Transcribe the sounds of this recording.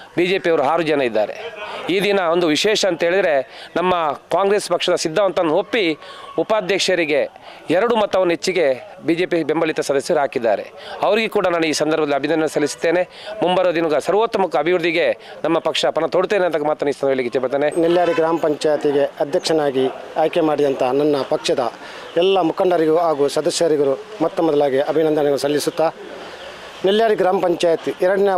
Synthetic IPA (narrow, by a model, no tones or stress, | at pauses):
biːd͡ʒe̞ːpijɐʋɐɾuɦaːɾud͡ʒɐnɐid̪ːa̰ːɾe̞̰iːd̪inɐo̞nd̪uʋiʃɛːʂɐːnt̪ɐɦeːɭid̪ɐɾe̞nɐmːɐkaːŋɡɾeːspɐkʂɐd̪ɐsid̪ʱːɐʋɐnt̪ɐnːopːiupaːd̪ʱjɐkʂɐɾiɡe̞ | ɛɾɐɽumɐt̪ːɐʋɐnːɦet͡ʃːiɡe̞ | biːd͡ʒe̞ːpibembɐlit̪ɐsɐd̪ɐsjɐɾiɦaːkid̪ːa̰ːɾe̞̰ɐʋɐɾiɡekuːɽɐnaːnuiːsɐnd̪ɐɾbɐd̪ɐlːiɐbʱinɐnːɐnɐsɐlisu̥t̪ːe̞ːne̞ | mumbɐjɾɐd̪inuɡɐsɐɾʋoːt̪ːɐmɐkːɐɐbʱiʋɾud̪iɡe̞nɐmːɐpɐkʂɐpɐnɐt̪oɽut̪eːneɐnt̪ɐkɐmaːt̪ːɐnist̪ɐnʋelːiɡit͡ʃːɛpɐɽt̪ːeːneniljaːɾiɡɾaːmɐpɐɲt͡ʃaːjɐt̪iɡeɐd̪ʱjɐkʂɐnaːɡiaːjkemaːɽid̪ɐnt̪ʰɐnɐnːɐpɐkʂɐd̪ɐ | ɛlːɐmukʰɐɳɖɐɾiɡɐuaːɡuːsɐd̪ɐsjɐɾiɡɐɾumɐt̪ːɐmɔd̪ɐlaːɡiʔɐbʱinɐnd̪ɐnɐɡɐɭusɐlːisut̪ːaː | niljaːɾiɡɾaːmɐpɐɲt͡ʃaːjɐt̪iʔɛɾɐɽɐne